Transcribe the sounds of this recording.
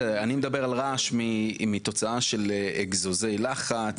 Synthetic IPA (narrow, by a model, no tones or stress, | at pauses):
animed̪abe̞ʁalʁaʃmimit̪o̞t͡saaʃeleeɡzozejlaχat͡s